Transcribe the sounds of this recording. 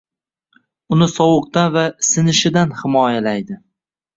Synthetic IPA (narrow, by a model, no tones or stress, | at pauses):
ʊnɪsɒwɨq̚t̪anvasɪnɪʃɪd̪anhɪmɒjalajd̪ɪ